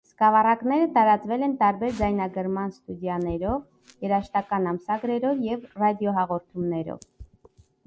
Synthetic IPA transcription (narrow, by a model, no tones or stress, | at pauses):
skɑvɑrɑknɛɾət̪ɑɾɑt͡svɛlɛnt̪ɑɾbɛɾd͡zɑjnɑɡəɾmɑnst̪ud̪jɑnɛɾɔv | jɛɾɑʃt̪ɑkɑnɑmsɑɡɾɛɾɔvjɛvrɑd̪jɔɦɑʁɔɾt̪ʰumnɛɾɔ̰v